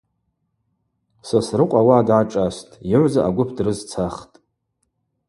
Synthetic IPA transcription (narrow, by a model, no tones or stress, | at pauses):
sasrɨqʷʼawadʕaʈ͡ʂʼastʼiʕʷzaʔaɡʷʊpʰdrɨzt͡sʰaχtʼ